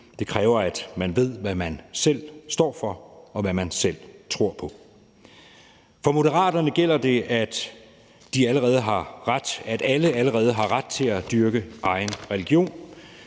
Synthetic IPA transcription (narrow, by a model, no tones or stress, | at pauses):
d̥e̝kʰʁɛːʊɐæd̥mænʋe̝ð̞̰ˠʋæmænsel̰sd̥ɒ̰ːfɒ̽ɒ̽ʋæmænsel̰t͡sʰʁo̝ɐ̰pʰɒ̽ | fɒ̽mo̝dəʁɑ̰̈ːd̥ɐnəɡ̥el̰ɐd̥e̝ʔæd̥ | d̥iæləʁɛːð̞̩ˠɦɑ̈ʁad̥æd̥æləæləʁɛːð̞̩ˠɦɑ̈ʁad̥̚t͡sʰe̝læd̥yɐɡ̥əʔɑ̈ɪnʁɛliɡ̥jo̝̰ːn